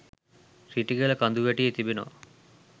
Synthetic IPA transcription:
siʈiɡelɐkɐnd̪uʋeʈijet̪ibinɔ̰

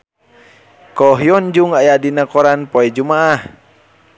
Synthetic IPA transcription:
kɔɦjɔnd͡ʒuŋajadinakɔɾanpɔɛd͡ʒumaʔah

